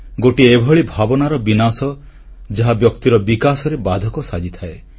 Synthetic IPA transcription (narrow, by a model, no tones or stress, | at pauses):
ɡoʈiebʱɔɭibʱabɔnaɾɔbinasɔ | d͡ʒaɦabjɔkt̪iɾɔbikasɔɾebad̪ʱɔkɔsad͡ʒit̪ʰae